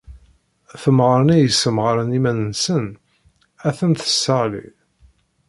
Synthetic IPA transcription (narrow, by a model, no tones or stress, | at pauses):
θəmʁəɾənæjəsːəmʁəɾənimænənsən | æθənθə̥sːəʁlḭ